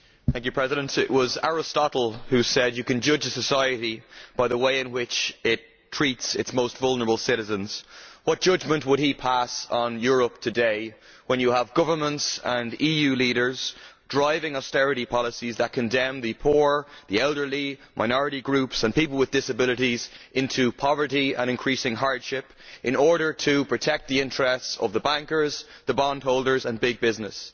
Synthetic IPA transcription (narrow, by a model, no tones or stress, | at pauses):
θæ̃ŋk̬jʉpʰɹ̥ɛzɪɾə̃ntɪʔ̚wɒzaɹɪstɑɾl̩ˠhʉsɛdjɨkɨ̃nd͡ʒʊd͡ʒəsəsaɪɨɾib̥aɪðəweɪɪ̃nwɪt͡ʃɪtʰɹ̥itsɪtsmoʊstvʌlˠnə˞əbl̩ˠsɪɾɨzə̃nz̥wʌt̚d̥ʒ̥ʌd͡ʒmə̃nʔwəd̚ipʰasn̩jʊɹəp̚tʰɨdeɪwə̃njəəvɡʌvə˞mə̃ntsə̃nijʉliɾə˞z̥dɹaɪvɪ̃ŋɔstɛɹɨɾipʰɑləsizðət̚kʰə̃ndɛ̃mðɨpʰuɹðiɛlˠdə˞limʔaɪnɔɹɨɾiɡɹʉpsə̃npiplˠwɪðdɪsəbɪləɾizʔɪ̃ntʰupʰɑvə˞ɾiə̰̃ñɪ̃nkʰɹ̥isɪ̃ŋɦaɹd̥ʃɪp | ʔɪ̃nɔɹɾə˞tʰəpʰɹ̥ɨtʰɛk̚t̪̚ðiɪ̃ntɹ̥ɛstsʌ̰vðəbæ̃ŋkə˞zðəbɑ̃nd̥̚ɦoʊlˠdə˞zə̃nbɪɡ̚bɪznəs